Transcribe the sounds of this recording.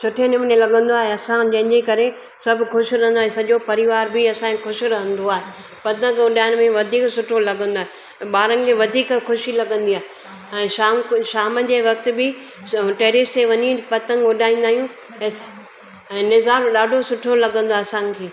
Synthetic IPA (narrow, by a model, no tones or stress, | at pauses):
sʊʈʰenɪmnelɐɠə̃nd̪oaːɦeɐsãd͡ʑɐ̃ɦɪ̃ɲd͡ʑekɐɾe | sɐbʱʊkʰʊʃɾɐɦənd̪oaːɦẽsɐʄopɐɾɪʋaːɾbɪɐsãkʊʃʊɾɐɦə̃nd̪oaːɦe | pɐt̪ə̃ŋɡʊɖaːɪñmẽʋɐd̪ʱiːksʊʈʰolɐɡə̃nd̪oaːɦẽ | ɓaːɾə̃n̆kẽʋɐd̪ʱiːkkʰʊʃilɐɡə̃nd̪ijaːɦe | ɛ̃ːʃaːmʃaːməd͡ʑeːʋɐk̚t̪ɪ̆bɪ | ʈeːɾɪst̪eʋɐɲipɐt̪ə̃ŋɡʊɗaːĩːn̆d̪aːɦijũː | ɛ̃ːnɪzaːɾɗaːɖʱosʊʈʰolɐɡə̃nd̪oaeɐsãkʰeː